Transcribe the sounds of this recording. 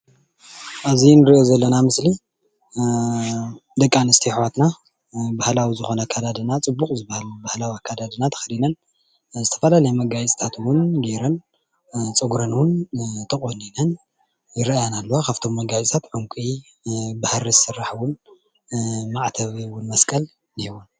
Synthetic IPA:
ʔazinɨɾiʔjozɐlːɐnamɨsli | d̪ɐkʼːanɨst̪ʰiħwat̪na | bahlawizɨxo̞nɐkʰad̪ad̪ɨnat͡sʼɨbːukʼzɨbahalubahlawiakʰːad̪ad̪ɨnat̪ʰɐ̥xɐd̪inɐn | zɨt̪ʰɐ̥fɐlalɐjmɐɡajt͡sʼt̪ʰat̪wʊnɡeɾɐn | t͡sʼɨɡɾɐnwʊnt̪ʰɐχʼoninɐn | jɪɾɐjanalːowakʰaft̪ʰo̞mːɐɡajt͡sʼt̪ʰat̪ʕuŋkʷʼi | bahɾizɨsɨrːaħwʊn | maʕt̪ʰɐβiwʊnmɐskʼɐl | nihiwun

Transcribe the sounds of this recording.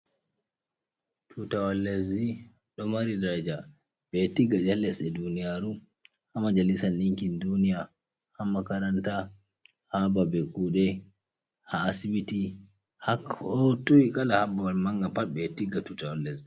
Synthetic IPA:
tʰutawalːezi | ɗɔmaɾidaɾad͡ʒa | bɛtiɡad͡ʒalːɛsɛdunijaɾu | hamad͡ʒalisanɗiŋkindunija | hamakaɾanta | hababɛkuɗɛ | haːsibiti | hakɔtuwikʼalahabawalmaŋɡapat̚bɛtiɡatutawalːezi

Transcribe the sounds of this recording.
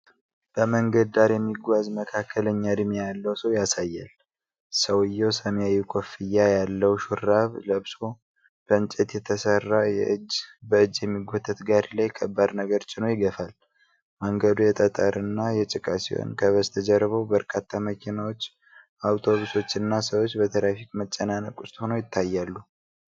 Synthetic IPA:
b̥əməŋɡəd̪d̪aɾjɛmːiɡʷazməkʰakʰːələɲːad̪mijalːəwsəwjasajːal | səwɨjːɛwsəmijajːukʰʼo̞fijːajalːəwʃuɾːaβləβso̞ | b̥ənt͡ʃʼɛt̪jɛt̪ʰəsərːajɛ̰ʔɨd͡ʒbəɨd͡ʒːjɛmːiɡʷɔt̪ʰːət̪ɡaɾlajkʰəbːad̪nəɡəɾt͡ʃʼɪnojɪɡəfal | məŋɡəd̪ujɛt̪ʼət̪ʼaɾɨnːajɛt͡ʃʼɨkʼasiwo̰nkʰəβəst̪ʰəd͡ʒɛɾːβəwbəɾkʼat̪ʰːaməkʰinawo̞t͡ʃː | awt̪ʰo̞βuso̞t͡ʃːɨnːasəwot͡ʃːbət̪ʰəɾafikʼmət͡ʃʼːənanəkʼʊst̪ʼhonojɪt̪ʰːajːalːu

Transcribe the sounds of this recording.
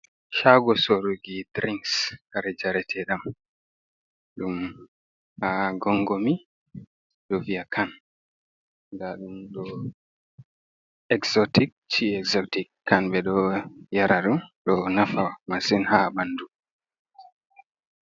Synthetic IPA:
ʃaɡɔsoɾuɡidɾiŋskaɾɛd͡ʒaɾɛtʰɛɗam | ɗum | haɡɔŋɡɔmi | ɗɔvijakʰan | daɗumɗɔ | ɛksɔtik̚ | t͡ʃiɛkzɔtikːanɓɛɗɔjaɾaɗumɗɔnafamasinhabandu

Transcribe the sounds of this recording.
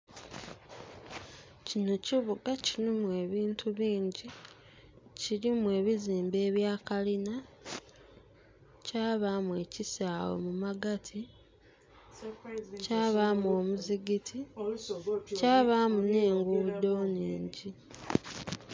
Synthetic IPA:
cino̞ciβuɡacilimwe̞ːβiːntʰuβiːɲɟi | ciɾimwe̞ːβiziːmbe̞ːβjaːkalina | caːβamwe̞cisaːwo̰mumaɡatʰi | caːβamwo̞ːmuziɡitʰi | caːβaːmune̞ːŋɡuβud̪o̞ːniːɲɟi

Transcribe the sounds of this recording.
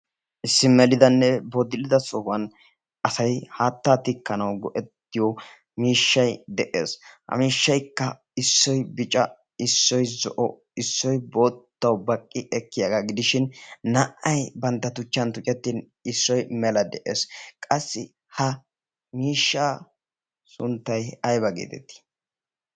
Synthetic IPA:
ʔɪsːɪmɛlɪd̪ɐnːɛbod̪ɪlɪd̪ɐsɔwɐn | ɐsɐjhaːt̪ːat̪ɪkːɐnɐwɡɔʔɛt̪ːɪjɔ | miːʃːɐjd̪ɛʔḛːshɐ̰miːʃːɐjkːɐ | ɪsːɔjbɪt͡ʃʼɐ | ɪsːɔjzɔ̰ʔɔ | ɪsːɔjboːt̪ːɐwbɐkʼːɪʔɛkːɪjɐɡaɡɪd̪ɪʃɪnnɐʔɐjbɐnt̪ːɐt̪ʊt͡ʃːɐnt̪ʊt͡ʃʼɛt̪ːiːn | ɪsːɔjmɛlɐd̪ɛʔḛːskʼɐsːɪ | hɐ | miːʃːaː | sʊnt̪ːɐjɐjbɐɡḛːt̪ɛ̰t̪ːi̥

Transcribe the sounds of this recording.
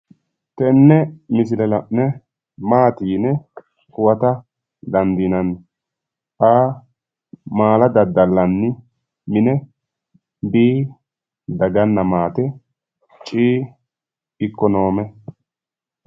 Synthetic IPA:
t̪ɛnːɛmɪs̬ɪlɛlɐʔnɛ | maːt̪iːnɛ | kʊwɐt̪ɐ | d̪ɐnd̪inɐnːɪ | ʔaː | maːlɐd̪ɐd̪ːɐlːɐnːɪ | mɪnɛ | biː | d̪ɐɡɐnːɐmaːt̪ɛ | t͡ʃʼiː | ɪkːɔnoːmɛ

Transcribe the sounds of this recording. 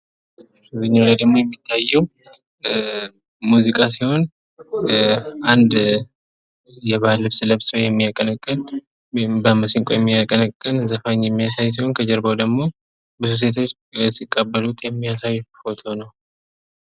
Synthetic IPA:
zɨɲːalad̪əɡmo̞jɛmːit̪ʰːajːɛw | muzikʼasiho̞n | ʔand̪ | jɛβalːɨβsɨləβswjɛmːijakʼːənəkʼːɨn | bəməsiŋkʼojɛmːiakʼənəkʼːɨnzəfaɲːjɛmːijasajs̬iho̞nkʰəd͡ʒɛɾbəwd̪əɡmo̞ | bɨzus̬e̞t̪ʰo̞t͡ʃː | sikʼːəbːəlut̪ʰjɛmːijasajːfo̞t̪ʰo̞nəw

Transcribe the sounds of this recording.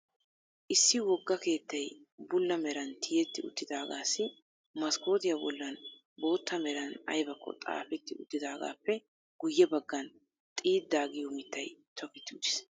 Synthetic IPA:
ʔɪsːɪwɔɡːɐke̞ːt̪ːɐjbʊlːɐmɛɾɐnt̪ʰɪjɛt̪ːɪʊ̰t̪ːɪd̪aːɡaːsːɪ | mɐskoːd̪ɪjɐbʊ̰lːɐn | bo̞ːt̪ːɐmɛɾɐnɐ̰jbɐkːɔ̰t̪ʼa̰ːfɛt̪ːɪʊt̪ːɪd̪aːɡa̰ːpːɛ | ɡ̥ʊjːɛbɐɡːɐn | t̪ʼiːd̪ːaːɡɪjɔmɪt̪ːɐjt̪ʰɔkɪt̪ːɪʊd̪ɪ̥s

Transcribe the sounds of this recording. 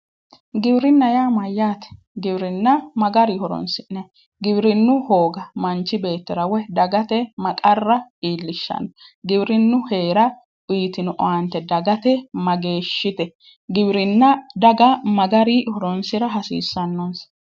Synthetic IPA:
ɡɪbɾɪnːɐjaːmɐjːaːt̪ɛ̥ | ɡɪbɾɪnːɐmɐɡɐɾihɔɾɔ̰nsɪɛ | ɡɪbɾɪnːʊhoːɡɐmɐnt͡ʃːɪbe̞ːt̪ːɪɾɐwɛd̪ɐɡɐt̪ɛmɐkʼɐrːɐiːlːɪʃːɐ̰nɔɡɪbɾɪnːʊhe̞ːɾɐ | iːt̪ɪnʊʔɔ̰wɐnt̪ːɛd̪ɐɡɐt̪ɛmɐɡeːʃːɪt̪ɛ | ɡɪbɾɪnːɐd̪ɐɡɐmɐɡɐɾihɔɾɔnsɪɾɐɦɐsḭːsːɐnːɔns

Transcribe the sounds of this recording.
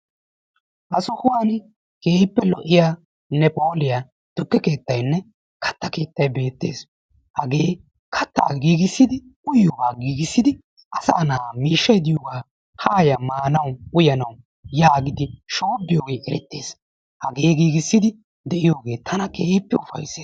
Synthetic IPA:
ʔɐsʊhʊwaːn | ke̞ːpːɛlɔʔːɪjaː | nːɛpʼo̞ːlɪja | d̪̥ʊkːɛke̞ːt̪ːɐjnːɛ | kɐ̥t̪ːɐke̞ːt̪ːɐjbe̞ːt̪ːe̞̰ːs | hɐɡe̞ː | kʰɐt̪ːa̰ːɡiːɡɪsːɪd̪ɪ | ʊjoːɡaːɡiːɡɪsːɪd̪ɪ | ʔɐsɐ̰ːnaːmiːʃːɐjd̪ɪjoːɡaː | haːjɐmaːnɐwʊjɐnɐw | jaːɡɪd̪ɪʃo̞ːbːɪjoːɡe̞ːɛɾɛ̰t̪ːe̞ːs | hɐɡe̞ːɡiːɡɪsːɪd̪ɪ | d̪ɛʔɪjoːɡe̞ːt̪ʰɐnɐkeːpːɛʊfɐ̰jseː

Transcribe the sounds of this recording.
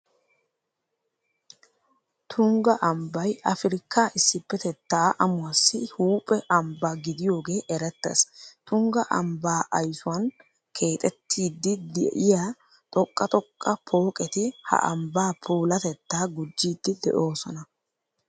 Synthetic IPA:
t̪ʰʊŋɡɐʔɐmbɐjʔɐfɪɾɪkːaːʔɪsːɪpːɛt̪ɛt̪ːaːʔɐmʊwɐsːɪhuːpʼɛʔɐmbɐɡɪd̪ɪjo̞ːɡe̞ːʔɛɾɛt̪ːḛst̪ʊŋɡɐʔɐmbaːʔɐjsʊwɐn | kʰe̞ːt̪ʼɛt̪ʰːiːd̪ːɪd̪ɛ̰ʔɪjaː | t̪ʼɔkʼːɐt̪ʼɔkʼːɐpʰo̞ːkʼɛt̪ɪhɐ̰ʔɐmbaːpʰuːlɐt̪ɛt̪ːaːɡʊd͡ʒːiːd̪ːɪd̪ɛ̰ʔo̞ːsɔnɐ

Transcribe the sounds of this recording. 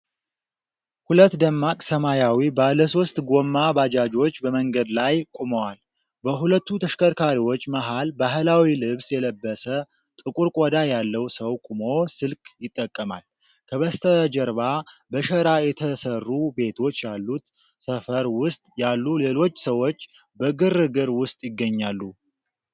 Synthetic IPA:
hulət̪ːd̪əmːakʼsəmajawibaləso̞st̪ʼɡo̞mːabad͡ʒad͡ʒo̞t͡ʃːbəməŋɡəd̪lajkʼuməwal | bəɦulət̪ːut̪ʰəʃkʰəɾkʰaɾiwot͡ʃːmaɦalbaɦlawilɨβsjɛləbːəsə | t̪ʼɨkʼuɾkʼod̪ajalːəwsəwkʼumo̞sɨlkʼjɪt̪ʼːəkʼːəma̰l | kʰəβəst̪ʰəd͡ʒəɾβabəʃəɾajɛt̪ʰəsərːube̞t̪ʰo̞t͡ʃːjalːut̪ | səfəɾwʊst̪ʼjalːule̞lo̞t͡ʃːsəwo̞t͡ʃː | bəɡɨrɨɡɨɾwʊst̪ʼjɪɡːəɲːalːu

